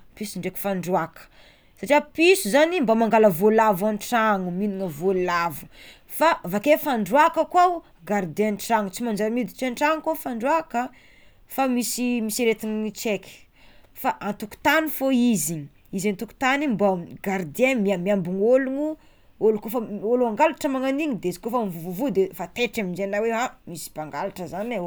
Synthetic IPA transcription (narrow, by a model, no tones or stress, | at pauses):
pisuɳɖ͡ʐeki̥faɳɖ͡ʐuakə̥ | saʈ͡ʂiapisuzanimbamaŋɡaləvolavanʈ͡ʂaŋuminiŋəvoluavu | favakefaɳɖ͡ʐuakəkwaw | ɡaɾd̪enʈ͡ʂaŋut͡simand͡ʒaɾamid̪i̥t͡ʃenʈ͡ʂaŋkofaɳɖ͡ʐuakə | famisimisiɾet̪iɲit͡ʃeki̥ | faʔant̪uku̥t̪anifoiziɲ | izint̪uku̥t̪animbamɡaɾd̪ienmiamiambuŋoluŋu | olukofəoluaŋɡalaʈ͡ʂəmaŋaniŋid̪ezi̥kofamivuvuvud̪efat̪eʈ͡ʂaminzennaweɦamisi̥paŋɡalaʈ͡ʂəzana